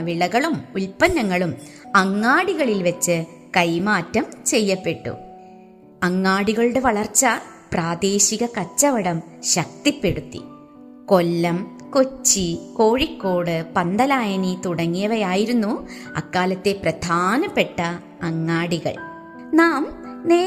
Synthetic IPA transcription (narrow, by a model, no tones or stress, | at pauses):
ʋiɭɐɣɐɭumulpɐnːɐŋːɐɭumɐŋːaːɽiɣɐɭilʋɐt͡ɕːɨ | kɐjmaːtːɐmt͡ɕe̞jːɐpːe̞ʈːṵ | ɐŋːaːɽiɣɐɭɨɽeʋɐɭɐrt͡ɕːɐ | praːd̪e̞ːɕiɣɐkɐt͡ɕːɐʋɐɽɐm | ɕɐk̚t̪ipːeɽut̪ːḭ | ko̞lːɐm | kot͡ɕːiko̞ːɻikːo̞ːɽɨpɐnd̪ɐlaːjɐnit̪uɽɐŋːijɐʋɐjaːjiɾunːuɐ̰kːaːlɐt̪ːe̞prɐd̪ʱaːnɐpe̞ʈːɐː | ŋːaːɽiɣɐ̰ɭ | naːmneː